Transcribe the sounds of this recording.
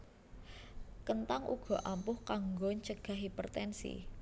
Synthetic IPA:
kənt̪aŋʔṵɡ̥ɔ̤ʔampʊhkaŋɡɔɲt͡ʃəɡ̥a̤ɦipərt̪ɛnsḭ

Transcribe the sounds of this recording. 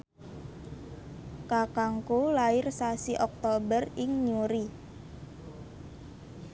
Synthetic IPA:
kakaŋkulaɪrsasiʔɔk̚t̪obərɪŋɲuɾi

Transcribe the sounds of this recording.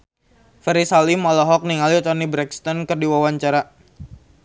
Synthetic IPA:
fɛɾisalimalɔɦɔk̚niŋalit̪ɔnibɾɛkst̪ɔnkərdiwawaɲt͡ʃaɾa

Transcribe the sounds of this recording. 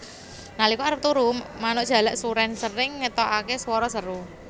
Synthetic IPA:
nalikuaɾəp̚t̪uɾumːanʊʔdʒ̥ä̤laʔsuɾɛnsəɾɪŋːət̪ɔʔakeswɔɾɔsəɾu

